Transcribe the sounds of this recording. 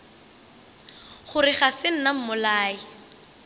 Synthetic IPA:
χʊrɪχasɪn̩nam̩mʊlaːi

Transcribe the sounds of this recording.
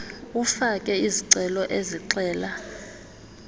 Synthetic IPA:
ufakʼɛiziǀɛlɔʔeziǀɛːla

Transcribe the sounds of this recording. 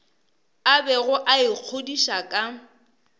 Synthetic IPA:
abɛɣʊʔaiq͡χʰodiʃakʼa

